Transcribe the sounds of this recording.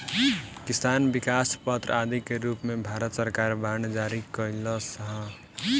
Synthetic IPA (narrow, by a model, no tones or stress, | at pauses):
kɪst̪aːnbikaspət̪ɾad̪ikeɾupmẽbʱaɾət̪səɾkaɾband͡ʒaɾikəlɔsəɦə